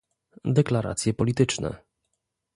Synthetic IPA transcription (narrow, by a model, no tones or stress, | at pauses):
d̪ɛklaɾa̰t̪sʲjɛpɔlʲit̪ɘt͡ʂnɛ̰